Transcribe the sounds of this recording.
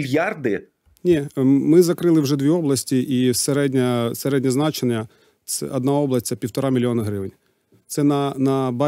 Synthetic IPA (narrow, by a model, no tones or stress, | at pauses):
jɑrd̪ɪ | nʲimɪzɐkɾɪlˠɪwʒɛd̪ʋʲiɔblˠɐsʲtʲiʔiseɾɛdʲnʲɐseɾɛdʲnʲɐznɑt͡ʃenʲːɐ | sɛ̰ɐd̪nɑɔblˠɐsʲt͡sʲɛpʲiwt̪ɔɾɑmʲilʲiɔnɐɦɾɪʋɪnʲ | t̪sɛnɐnɐbɑ